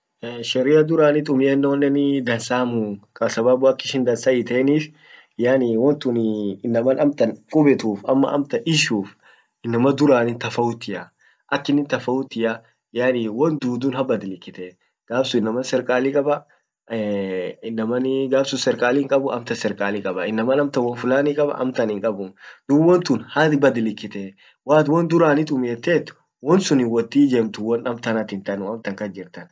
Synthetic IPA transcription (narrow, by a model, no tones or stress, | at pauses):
ʃɛɾɪjɐd̪ʊɾaːnɪt̪̬ʼʊmɪjɐnːɐwɔnːɛnɪd̪ɐnsaːmukʼɐsɐbaːbʊɐkːɪʃɪnd̪ɐnsɐɪt̪ɛniːf | jaːniwɔnt̪unɪnːɐmɐnɐmt̪ɐnkʼʊbɛt̪uːfɐ̰mːɐ̰ʔɐ̰mt̪ɐʔɪʃuːf | ɪnːɐmɐd̪ʊɾaːnɪnt̪ɐfɐʊt̪ːɪjɐ | ʔɐkːɪnɪnt̪ɐfɐʊt̪ːɪja | jaːniwɔnd̪uːd̪ʊːnhɐbɐd̪ɪlɪkːɪt̪ɛ | ɡ̥aːbsʊɪnːɐmɐnsɛɾkʼaːlikʼɐbɐ | ɪnːɐmɐnɪɡaːbsʊsɛɾkʼaːlɪŋkʼɐbʊʔɐmt̪ɐsɛɾkʼaːlɪkʼɐbɐɪnːɐmɐnɐmt̪ɐwɔnfʊlaːnikʼɐbɐ̰ʔɐ̰mt̪ɐnɪŋkʼɐbʊd̪̥ʊwɔnt̪ʊnhɐbɐd̪ɪlɪkːɪt̪ɛ | waːt̪wɔnd̪ʊɾaːnɪt̪̬ʊmeːt̪ːeːt̪ːʊ̥ | wɔnsʊnɪwɔt̪ːiːd͡ʒemt̪ʊwɔnɐmt̪ɐnɐt̪ɪnt̪ɐnʊɐmt̪ɐŋkɐd͡ʒɪɾt̪ɐn